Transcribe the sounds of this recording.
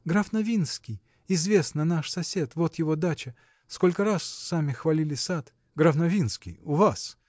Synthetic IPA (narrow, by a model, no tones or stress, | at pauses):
ɡɾafnɐvʲinskʲɪj | ɪzvʲe̞snənaʂsɐsʲe̞t̪vo̞t̪jɪvo̞d̪at͡ɕɪ | skolʲkəɾasːamʲɪxvɐlʲilʲɪsat̪ | ɡɾɐvnɐvʲinskʲɪ̰jʊvas